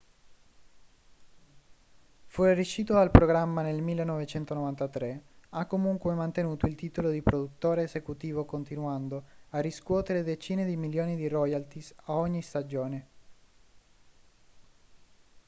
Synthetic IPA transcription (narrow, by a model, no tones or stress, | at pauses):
fuɾeriʃiːt̪oalpɾoɡɾamːanelmilːenːɔvet͡ʃɛnt̪onovant̪at̪ɾeakːomuŋkwemant̪enuːt̪oilt̪iːt̪olod̪ipɾod̪ut̪ːoːɾeːsekut̪iːvokont̪inwand̪oarːiskwɔːt̪eɾed̪et͡ʃiːned̪imiljoːnid̪irɔjalt̪isaɔɲːist̪ad͡ʒoːne